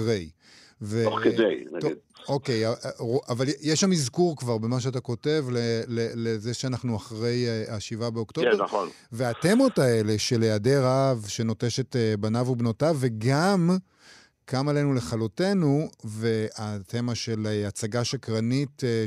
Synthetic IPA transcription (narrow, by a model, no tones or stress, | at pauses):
ʁej | veokeejnaɡoidoke̞jaavaljjeʃːamizkuʁkvaʁbemaʃ̬eat̬ako̞te̞vlelelezeʃeanaχnuaχʁe̞jeaʃivabeo̞ktoeon | veate̞mo̞tae̞le̞ʃe̞lejadeʁaavʃe̞no̞te̞ʃe̞tebanavubnotave̞ɡam | kʰamalenule̞χalote̞nuve̞atʰemaʃe̞leat͡saɡaʃakʁanit